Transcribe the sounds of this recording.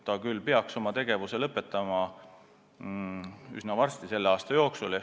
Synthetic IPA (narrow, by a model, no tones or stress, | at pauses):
t̪ːɑkylːpeɑkso̞mɑt̪e̞ɡ̥e̞vuse̞lɤpːˑe̞t̪ˑːɑmɑ | y̰snɑvɑrst̪ise̞lːeɑːst̪ɑjo̞ːksule